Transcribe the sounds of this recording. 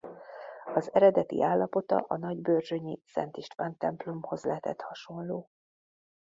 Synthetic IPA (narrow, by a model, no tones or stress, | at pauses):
ɒzɛɾɛd̪ɛt̪ḭʔaːlːɒpo̞t̪ɒ̰ʔɒnɒɟbøːrʒøɲisɛ̰nt̪iʃt̪ʋaːnt̪ɛmplomho̞zlɛɦt̪ʰɛ̰t̪hɒʃo̞nloː